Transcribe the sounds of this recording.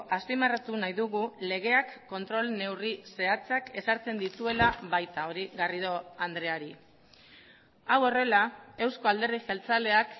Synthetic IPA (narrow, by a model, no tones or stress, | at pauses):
ʔaspimarat̪unajðuɣ̞ule̞ɣ̞e̞akːo̞nt̪ɾo̞lne̞wrise̞at͡sake̞saɾt͡se̞nd̪it̪ue̞laβajt̪ao̞ɾiɣariðo̞and̪ɾe̞aɾi | awo̞re̞lae̞wsko̞ald̪e̞ɾðixe̞lt͡sale̞ak